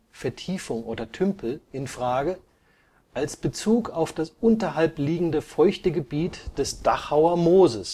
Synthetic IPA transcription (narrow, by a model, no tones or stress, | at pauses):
fɛɐtʰiːfʊŋʔoːdɐtʰʏmpl̩ɪnfʁ̥aːɡə | ʔalsb̥ət͡suːkaʊfd̥asʔʊntɐɦalpliːɡŋ̩dəfɔʏçtəɡəbiːtd̥ɛsd̥aχhaʊɐmoːzəs